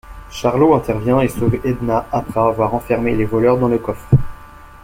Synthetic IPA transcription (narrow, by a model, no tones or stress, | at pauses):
ʃaʁloɛ̃t̪ɛʁvjɛ̃esovɛd̪naapχɛavwaʁɑ̃fɛʁmelevɔlœʁd̪ɑ̃ləkɔfχ